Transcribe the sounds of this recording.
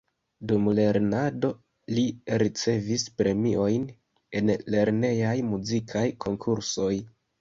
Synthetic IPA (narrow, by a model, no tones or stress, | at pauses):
dumle̞ɾnado̞ | liɾit͡se̞vispɾe̞mio̞jn | e̞nle̞ɾne̞jajmuzikʰajkʰo̞ŋkʰuɾso̞j